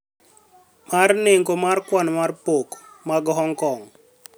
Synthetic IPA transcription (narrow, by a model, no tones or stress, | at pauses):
marneŋkomarkwanmarpokmaɡɦɔŋkɔŋ